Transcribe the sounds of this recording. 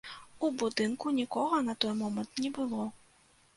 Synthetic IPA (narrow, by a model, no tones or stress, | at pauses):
ubud̪ɨnkunʲikɔɣɐnɐt̪ɔjmɔmɐnt̪nʲɛbɨlˠɔ